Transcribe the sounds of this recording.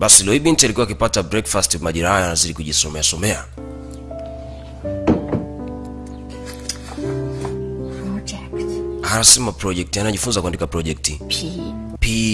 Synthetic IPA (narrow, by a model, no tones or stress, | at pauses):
ɓasilɔiɓintialikuwakipatabɾɛkfastimaʄiɾahajɔanaziɗikuʄisɔmɛasɔmɛa | pɔd͡ʒɛkthanasɛmapɾɔʄɛk̚tianaʄifunzakwɛndikapɾɔʄɛk̚ti | pi